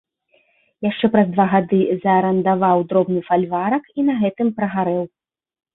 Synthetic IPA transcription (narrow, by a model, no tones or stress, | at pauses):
jaʂt͡ʂɛpɾɐzd̪vaɣad̪ɨzɐːɾɐnd̪avawd̪ɾɔbnɨfalʲvaɾɐkinɐɣɛt̪ɨmpɾɐɣaɾɛw